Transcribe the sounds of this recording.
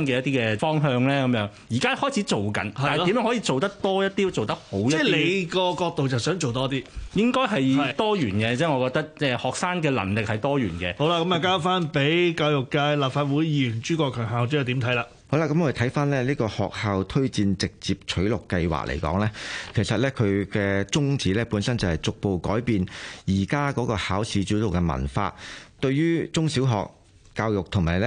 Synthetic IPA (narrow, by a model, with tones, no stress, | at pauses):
nkɛː˧jɐ˥t̪iː˥kɛː˧fɔː˥ŋɦœː˧ŋlɛː˥kɐ˨˧mjœː˨˥ŋjiː˨˩kaː˥hɔː˥˩jt͡sʰi˨˥t͡so˨wkɐ̰˨˥nː˨n˨i˨˥mœː˨˥ŋhɔ˨˥i˧t͡so˨wt̪ɐ˥k̚t̪ɔː˥jɐ˥t̚t̪iː˥t͡so˨wt̪ɐ˥k̚ho˨˥wjɐ˥le˨˥˨jkɔː˧kɔː˧k̚t̪o˨wt͡sɐ˨wsœː˨˥ŋt͡ʃo˨wt̪ɔː˥t̪iː˥jɪ˥ŋkɔː˥jɦɐ˨jt̪ɔː˥jyː˨˩nkɛː˧t͡sɛː˥ŋɔː˨˧kɔː˧k̚t̪ɐ˥k̚ɛː˧hɔː˨k̚saː˥nkɛː˧lɐ̰˨˩nlɪ˨k̚hɐ˨jt̪ɔː˥jyː˨˩nkɛː˧ho˨˥wla˧kɐ˥maː˨˩kaː˥faː˥npe˨˥jkaː˧wjʊ˨kːaː˧jlaː˨p̚faː˧t̚wu˨˥jjiː˨˧˥jyː˨˩nt͡ʃyː˥kʷɔː˧kʰœː˨˩ŋɦaː˨wt͡ʃœː˨˥ɛ˨˩t̪iː˨˥mt̪ʰɐ˨˥jlaː˧ | ho˨˥wla˧kːɐ˨˥mɔː˧˥˨t̪ʰɐ˨˥jfaː˥nlɛː˥liː˥kɔː˧hɔ̰ː˨k̚haː˨˧wt̪ʰɵ˥ɥt͡siː˧nt͡sɪ˨k̚t͡siː˨p̚t͡ʃʰɵ˨˥ɥlʊ˨kːɐ˧jwa̰ː˨k̚lʔḛ˨˩jkɔ̰ː˨˥ŋlɛː˥kʰe˨˩jsɐ˨t̚lɛː˥kʰɵ˨˧ɥkɛː˧t͡sʊ˥ŋt͡siː˨˥lɛː˥puː˨˥nsɐ˥nt͡sɐ˨˩hɐ˨jt͡sʊ˨k̚po˨wkɔː˨˥jpiː˧njiː˨˩kaː˥kɔː˨˥kɔː˧haː˨˥wsiː˨˧˥t͡syː˨˥t̪o˨wkɛ˧mɐ̰˨˩nfa̰ː˧t̪ɵ˧ɥjyː˥t͡sʊ˥ŋsi˨˥wɦɔ̰ː˨k̚ː | aː˧wjʊ˨k̚t̪ʰʊ˨˩ŋmaː˨˩jlɛ˥